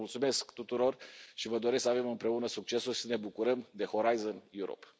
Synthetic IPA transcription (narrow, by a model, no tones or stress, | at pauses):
ult̪sume̞skt̪ut̪uɾo̞rʃivəd̪o̞ɾe̞sksəave̞mɨmpɾe̞unəsuk̚t͡ʃe̞sulʃi̥səne̞bukuɾəmd̪e̞ho̞ɾajzonjuɾo̰p